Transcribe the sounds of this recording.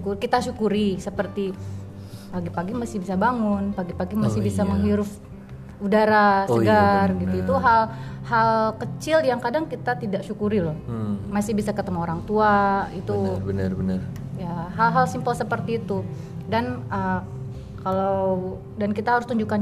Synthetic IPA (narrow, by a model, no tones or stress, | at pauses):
kukit̪aʃukuɾisəpərt̪i | paɡipaɡimasɪhbisabaŋʊnpaɡipaɡimasɪhbisaməŋɦiɾʊf | udaɾasəɡarɡit̪uit̪uɦal | halkət͡ʃɪljaŋkadaŋkit̪at̪idaʔʃukuɾilɔhmasɪhbisakət̪əmaoɾaŋt̪uait̪unrnər | jaɦalɦalsimpəlsəpərt̪iːt̪u | danə | kalaw | dankit̪aɦaɾʊst̪uɲd͡ʒukan